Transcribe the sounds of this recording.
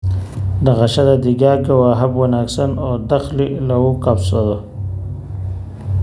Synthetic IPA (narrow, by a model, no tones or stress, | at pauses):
d̪aɣaʃad̪ad̪iɡaːɡawaːɦabwanaksanod̪axlilawukapsod̪o